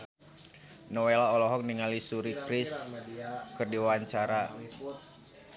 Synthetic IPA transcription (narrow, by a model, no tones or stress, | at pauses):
nɔwelaɔlɔɦɔk̚niŋalisuɾikɾiɪs | kɨrdiwaaɲt͡ʃaɾa